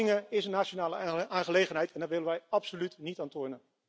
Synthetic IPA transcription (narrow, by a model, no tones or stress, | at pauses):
ɪŋəɪsənaːt͡ʃonaːləaːnχəlejχənɦɛjtɛndɑtʋɪlənʋɛjɑpsolytnitaːntʊɹnə